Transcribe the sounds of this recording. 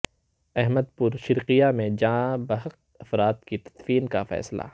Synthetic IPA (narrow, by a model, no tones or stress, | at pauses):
ɛɦməd̪̚pʊɾʃɪɾqijamẽd͡ʒãːbɐɦəq̚ | ɐfɾaːt̪kit̪ɐ̥t̪fiːnkafɛ̰ːsla̰